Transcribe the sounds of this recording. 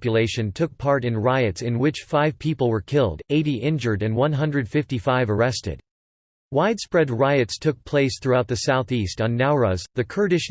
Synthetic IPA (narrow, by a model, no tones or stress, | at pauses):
pjɨleɪʃɨ̃ntʰʊk̚pʰɑɹɾɨ̃nɹaɪɨtsɨ̃nwɪt͡ʃfaɪv̥pʰipl̩ˠwə˞kʰɪlˠdeɪɾiʔɪ̃nd͡ʒə˞ɾɨ̃nwʌ̃nɦʌ̃ndɹɨd̥fɪftifaɪvə˞ɛstɨ̰d̥̚ | waɪd̥spɹɛd̚ɹaɪɨtstʰʊk̚pʰl̥eɪsθɹuaʊt̪̚ðɨsaʊθistn̩ːaʊɹəzðɨkʰɜ˞ɾɨʃ